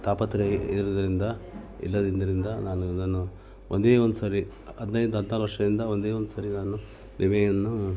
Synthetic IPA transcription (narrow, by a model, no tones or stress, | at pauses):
t̪aːpɐt̪ːɾeiɾud̪ɐɾind̪ɐ | ḭlːɐd̪ind̪ɐɾind̪ɐnaːnud̪ɐnu | ʔond̪eːond̪usaːɾi | ɐd̪nɐjd̪ɦɐd̪naːɾuʋɐɾʂɐd̪ind̪ɐond̪e̞ːond̪usaːɾinaːnu | niʋenɐnːu